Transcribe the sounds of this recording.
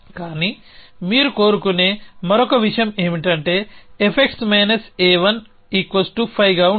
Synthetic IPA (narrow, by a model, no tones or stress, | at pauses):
kaːni | miːɾuko̞ːɾukuneːmɐɾɔkɐʋiʂɐjɐmeːmiʈɐɳʈe̞ːepʰek̚ʈsmeːnɐseːʋɐn | iːkʋɐsʈupʰɐjɡaːu